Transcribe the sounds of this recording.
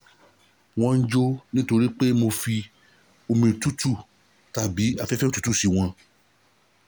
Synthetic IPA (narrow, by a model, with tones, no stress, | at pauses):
w̃ɔ̃˧n̩˦d͡ʒo˦nĩ˦to˧ɾi˦k͡pe˦mo˧fi˧ | o˧mĩ˧˨˧tu˦tu˦˨ | ta˨bi˨˦a˧fɛ˦fɛ˦o˦tu˨˦tu˦˨si˧w̃ɔ̃˧